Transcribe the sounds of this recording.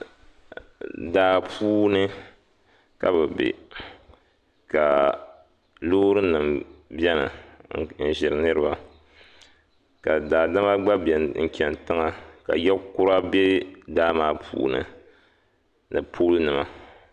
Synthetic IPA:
daː˨pʰuː˦nɨ˦ | ka˦bɨ˨bḛ˨ | ka˨ | loː˦ɾɨ˦nɨ˨mbɛ˦nɨ̰˨n̩˨ʒɪ˨ɾɨ˨˦nɨ˦ɾɨ˦ba˦ | ka˨daː˨da˦ma˦ɡ͡ba˦bɛ˨ŋ̩˨kʲɛ˨n˨tɨ˦ŋa˨ka̰˨jɛ˦kʊ˦ɾa˦bɛ˦daː˦maː˦pʰṵː˦nɨ̰˨ | nɨ˨pʰoː˦lɨ˦nɨ˨ma˨

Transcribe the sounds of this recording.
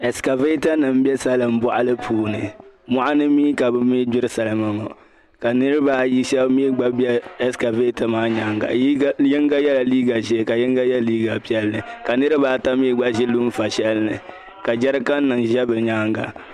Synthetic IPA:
ɛ˨ska˨ve˦ta˦nɨ˨m˦bɛ˦sa˦lɨ˨m˨bɔ˨ʔa˦lɨ˦pʰuː˨nɨ˨ma˦ʔa˦nɨ˦miː˦ka˨bɨ˨mi˦d͡ʒʊ˦ɾɨ˦sa˨la˨ma˨ŋɔ̰˨ | ka˨nɨ˦ɾɨ˦baː˦ji˦ʃɛ˦bmiː˦ɡ͡ba˦bi˦ɛ˦ɛ˦ska˨ve˦ta˦maː˦ɲa˦ŋɡa̰˨˦jɪ˦ŋɡa˦jɛ˦la˨liː˦ɡa˨ʒɛ˦˨ka˨jɪ˦ŋɡa˦jɛ˦liː˦ɡa˨pi˦ɛ˦lnɨ˨ka˨nɨ˦ɾɨ˦baː˨˦ta˦miː˦ɡ͡ba˦ʒɪ˦lu˦m˦fa˨ʃɛ˦lnɨ˨ | ka˨d͡ʒɛ˦ɾɨ˦ka˦n˦nɨ˨ŋʒɛ˦bɨ˨ɲaː˦ŋɡa̰˨

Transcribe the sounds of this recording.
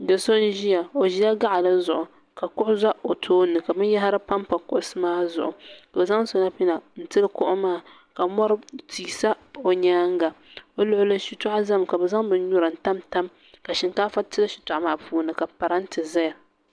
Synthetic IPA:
dɨ˨so˦n̩˦ʒi˦ja˨o˨ʒi˦ja˦ɡa˦ʔa˨la˦zʊ˨ʔʊ˨ | ka˨kʊ˦ʔʊ˦za˦o˨tʰoː˦nɨ˨ka˨bɨ˦n˦ja˦ɦa˦ɾɨ˦pa˦mpa˨kʊ˦ʔʊ˦sɨ˦maː˦zʊ̰˨ʔʊ˨ka˨ba˨za˦ŋ˦so˨˦na˦pi˦na˨n̩˦tɨ˦lɨ˦kʊ˦ʔʊ˦maː˦˨ | ka˨mɔ˦ɾɨ˦tiː˨sa˦o˨ɲaː˦ŋ˦ɡa˨ | o˦lʊ˦ʔʊ˦lɨ˦ʃi˨ta˦ʔa˦za˦mka˨bɛ˨za˦ŋbɨ˦n˦ɲʊ˦ɾɨ˨n̩˨ta˦mta˦m | ka˨ʃɪ˨nkaː˦fa˦tɨ˦lɨ˦ʃi̥˨tʊ˨ʔa˦maː˦puː˦nɨ˨ka˨pa˨ɾa˦n̩˦tɨ˨zɛ˦˨

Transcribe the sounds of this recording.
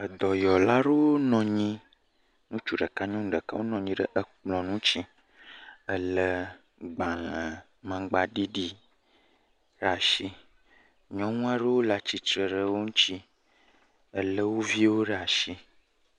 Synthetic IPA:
ə˨d̪ɔ˨jɔ˨la˦ɖə˦wo˦nɔ̃˨ɲĩ˦ | nũ˦t͡ʃu˦˨ɖə˨ka˦ɲɔ̃˦ŋ˦ɖə˨ka˦wo˦nɔ̃˨ɲĩ˦ɖə˦ʔə˨k͡plɔ̃˨nũ˦t͡ʃi˦ | ə˦lə˦ | ɡ͡ba˨lə̃˨ | mã˨ɡ͡ba˨ɖi˦ɖi˦ | ɖa˨ʃi˦ | ɲɔ̃˦nũ˦a˦ɖə˦wo˦la˨t͡ɕi˨t͡ʃɾə˨ɖə˦wo˦ŋũ˦t͡ɕi˦ | ə˨lə˦wo˦vi˦wo˦ɖə˦a˨ʃi˦

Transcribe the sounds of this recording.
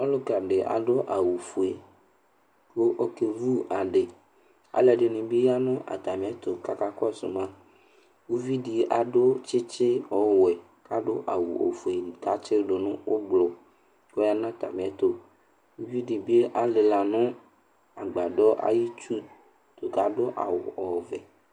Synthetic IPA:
o˦lo˦ka˨ɖe˨ʔa̰˨ɖo˦ʔa˨wu˨fu˨e˨ | ko˦ʔo˦ke˨vu˦a˨ɖe˨ | a̰˨lɛ˨ɖe˨nĩ˨bi˦ja˦nɔ̃˦ʔa̰˨t̪a˨mĩ˨a˨t̪o˨ka˦ka˦kɔ˦sṵ˨mã˦ | wu˦vi˦ɖi˨ʔa˨ɖo˦t͡ʃe˦t͡ʃe˦ɔ˨wɛ˨ | ka˦ɖo˦ʔa˨wṵ˨ʔo̰˨fo˨i˨ka˨˦t͡ʃe˦ɖo˨nũ˦wʔo˦ɡ͡blɔ˨ | ko˦ja˦nã˦˨t̪a̰˨mĩ˨a˨t̪o˦ | wu˦vi˦ɖi˨be˦ʔa˨le˨la˨nʊ̃˦ | a˨ɡ͡ba˨ɖɔ˦ʔa̰˦ji˦t͡ʃu˦ | t̪o˨ka˨ɖo˦ʔa̰˨wo̰˨ɔ˨vɛ˨

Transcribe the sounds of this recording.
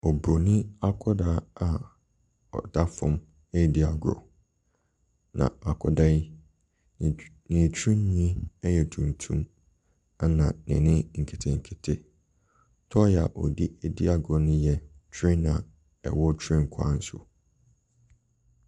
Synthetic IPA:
ɔ˨bo˨nɪ̃˦a˦kʰɔ˦daː˦a˨ | ɔ̰˨da˦fʊ̰̃˦m | e˦˨di˦a˨ɡɾɔ̰˨ | nã̰˨a˨kʰɔ̰˨da˦i˦˨ | nĩ˨t͡ɕʰĩ˦n˦ɲĩ˦ɛ˦jɛ˨tʰũ˨n˨tʰũ˦m | a˦nã˨nɪ̰̃˨nɪ̃˦ŋ̩˨kʰe˨tʰe˨ŋ̩˨kʰe˨tʰe˦ | tʰɔ˦jɛ˨a̰˨ʔɔ˨di˦e˨dɪ˦a˨ɡɔ˨nʊ̃˦jɛ˨t͡ʃʰɾɪ̃˦nã˨ | ɛ̰˨wɔ˦t͡ɕʰɾɪ̃˦ŋ̩˨kʰʊ˦a̰˦n̩˦sʊ̰˨

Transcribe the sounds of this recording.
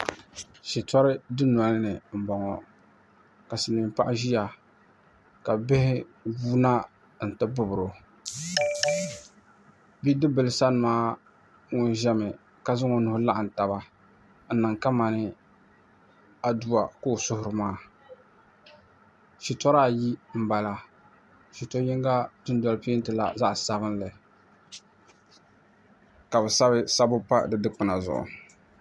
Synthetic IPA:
ʃi˨tɔ˦ɾɪ˦dɨ˦n˨ɔ˨lnɨ˨m̩˨bɔ˨ŋɔ˨ | ka˨sɪ˨ni˨m˨pa̰˦ʔɪ˦ʒi˦ja˨ | ka˨bɪ˦hɪ˦buː˦na˦ | n̩˨tɨ˦bʊ˦bʊ˨ɾo˨ | bi˦dɨ˦bɨ˨lsa˦nɨ˨maː˦ | ŋʊ˦n˦ʒɛ˦mɪ˨ | ka˨zʊ˦ŋɔ˨nʊ˨hʊ˦la˦ʔa˨n̩˨ta˨ba˦ | n̩˦nɨ˨ŋka˦ma˨nɨ˦ | a˨du˦a˨ko˦˨sʊ˦hʊ˨ɾɨ˨maː˦ | ʃi˨tɔ˦ɾaː˦˨ji˦m̩˦˨ba˨la˨ | ʃi˨tɔ˦jɪ˦ŋɡa˦dʊ˦n˦dɔ˨lpi˦ntɨ˨la̰˨za˦ʔsa˨bɨ˦n˦lɨ˨ | ka˨bɛ˨sa˦βɪ˦sa˦bʊ˦pa̰˦dɨ˦dɨ˦k͡pɨ˨na˨zʊ̰˨ʔʊ̰˨

